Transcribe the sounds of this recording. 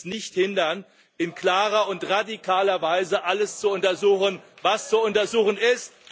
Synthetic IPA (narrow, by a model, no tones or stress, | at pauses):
nɪçthɪndɐn | ʔɪnkl̥aːʁɐʊntʁadikʰaːlɐvaɪzəʔaləst͡suʊntɐzuːxən | vast͡suʊntɐzuːxənɪst